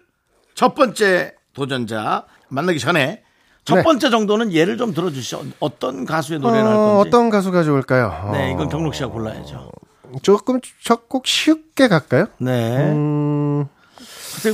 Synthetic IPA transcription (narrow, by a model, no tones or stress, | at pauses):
t͡ɕʰʌp͈ʌnt͡ɕ͈e̞ | tod͡ʑʌnd͡ʑa̰ | manːaɡiɕʰʌne̞ | t͡ɕʰʌnpep͈ʌnt͡ɕ͈e̞d͡ʑʌŋdonɯnje̞ɾɯɭt͡ɕomtɯɾʌd͡ʑuɕʰid͡ʑo̰ʌt͈ʌnkasʰue̞noɾeaːit͈ʌnɡas̬ʰuɡad͡ʑouɭk͈ajone̞iɡʌnkjʌŋnokɕ͈iaɡpoɭːa̰jḛd͡ʑo̰ | t͡ɕok͈ɯmt͡ɕʌk̚k͈uk̚ɕʰik̚k͈e̞kak̚k͈ajone̞ | kɯsʰe